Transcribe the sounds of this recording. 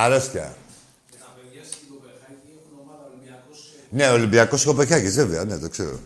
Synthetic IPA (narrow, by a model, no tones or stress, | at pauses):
ɐlesçjɐ̰ | neolimbiɐkoskopeçɐʝizveveɐne̞t̪okseɾo̰